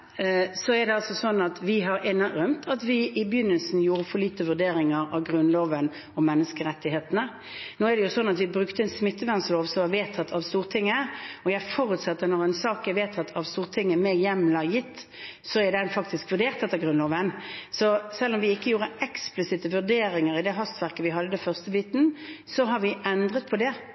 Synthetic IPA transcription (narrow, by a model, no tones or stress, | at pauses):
sɔɛɾd̪ɛɑlsɔsɔnːɑt̪ʋɪɦɑɾɪnːəɾœmt̪ʰɑt̪ʋɪʔɪbjʏnːəlsn̩juːɾəfɔʁliːt̪əʋʉd̪eːɾɪŋəɾɑʋɡʁʉnloːʋən | ɔmːɛnːəskəɾɛt̪ːɪɦeːt̪ənə | noːɛd̪ɛjʊsɔnːɑt̪ʋɪbɾʉkt̪əɛnsmɪt̪ːəʋæʁnsloːʋsɔmɑʋeːt̪ʰɑt̪ːʰɑʋst̪uːʁt̪ʰɪŋːəɔjæɪfɔʁʉt̪sɑt̪ːənɔʁɛnsɑːkjæɪʋeːt̪ʰɑt̪ːʰɑʋst̪uːʁt̪ʰɪŋːəmɛjɛmlɑjɪt̪ː | sɔɛd̪ɛnfɑkt̪ɪskʋʉʁɖ̪eːʁt̪ɛt̪ːəɡʁʉnloːʋənsɔsɛlːɔmʋɪɪkːəjuːʁəɛksplɪsɪt̪əʋʉʁd̪eːɾɪŋəɾɪd̪ɛɦɑst̪ʋæʁkəʋɪɦɑd̪ːəd̪ɛfœʁst̪əbiːt̪n̩sɔɦɑɾʋɪʔɛnd̪ʁət̪̚pʰɔd̪ɛ